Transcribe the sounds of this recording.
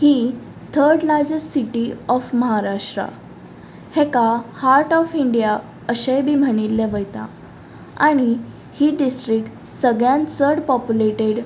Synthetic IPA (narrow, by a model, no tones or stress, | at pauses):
hiː | t̪ʰəɾɖlajd͡zəssiʈiɔfməɦaɾaʂʈɾa̰ | hɛ̃kahaɾʈɔfiɳɖija | əɕajbʱiːm̤əɽ̃ilːeʋəjt̪a̰ | a̰ɽ̃i | hiːɖisʈɾik̚ʈ | səɡɭjãnsəɾɽpɔpjuleʈeɽ